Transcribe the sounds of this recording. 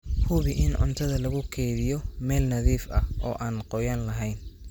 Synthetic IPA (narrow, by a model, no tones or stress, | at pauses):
hʊβɪʔɪnʕʊ̰nt̪ʰɐðɐlɐɣʊkʰɛːðɪjɔmɛːlnɐðiːfɐɔ̰ːʔaːnqɔjaːnlɐɦɛjn